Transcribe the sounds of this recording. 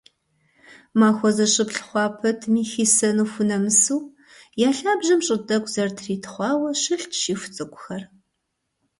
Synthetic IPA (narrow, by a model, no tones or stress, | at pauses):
maːxʷɔzɐɕʼɨpɬχʷɑːpʰɐtʰmiːxiːsɐnuːfʷʊnɐmɨsuː | jaːɬaːbʒɐmɕʼɪdɐkʷzɐrtʰriːtʰχʷɑːwɐɕɨɬtʰʃiːfʷʊ̥t͡sʼɨkʷʼʊxɐr